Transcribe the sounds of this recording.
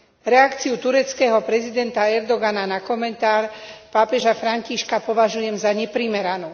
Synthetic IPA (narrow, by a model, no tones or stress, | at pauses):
ɾɛakt͡siut̪uɾɛt͡skɛːɦɔpɾɛzid̪ɛnt̪aɛɾd̪ɔɡananakɔmɛnt̪aːɾpaːpɛʒafɾaɲciʃkapɔʋaʒujɛmzaɲɛpɾimɛɾanu